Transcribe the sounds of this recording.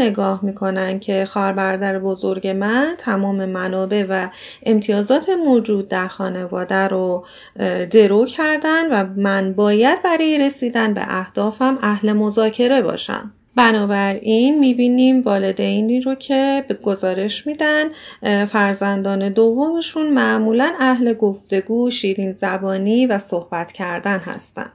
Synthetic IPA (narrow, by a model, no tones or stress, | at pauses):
ne̞ɡɒːhmiːkʰo̞næncʰe̞xɒːɾbæɾːd̪æɾebo̞zo̞ɾɟe̞mænt̪ʰæmɒːme̞mænɒːbe̞væ | e̞mt̪ʰijɒːzɒːt̪ʰemod͡ʒuːd̪̚ːæɾxɒːne̞vɒːd̪æɾo | d̪e̞ɾoːcʰæɾd̪ænvæmænbɒːjæd̪̚bæɾɒːjeɾe̞siːd̪ænbḛʔæhd̪̥ɒːfæmæhle̞mo̞zɒːcʰe̞ɾe̞bɒ̰ːʃæ̰m | bænɒːbæɾinmiːbiːniːmvɒːle̞d̪e̞jniːro̞cʰe̞bɡ̥o̞zɒːɾe̞ʃmiːd̪ænfæɾzænd̪ɒːne̞d̪ovːo̞meʃunmæʔmuːlænæhle̞ɡo̞ft̪e̞ɡuːʃiːɾinzæbɒːniːvæso̞hb̥æt̪ʰcʰæɾd̪ænɦæ̰st̪æ̰nd̪̥